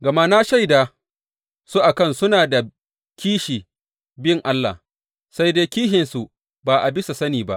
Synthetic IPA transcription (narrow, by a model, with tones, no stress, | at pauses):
ɡɐ˨ma˦na˦ʃa˦jdaː˨ | su˦ʔa˨kɐ˦˨nsʊ˦naː˨da˨ | kʲiː˦ʃiː˨ | bɪ˦ŋʔa˦lːa̰ː˨ | sa˦jdeː˦kʲiː˦ɦɪ˨nsu˨ʔ | baː˨ʔa˨bɪ˦sa˨sɐ˦niː˨ba˦ʔ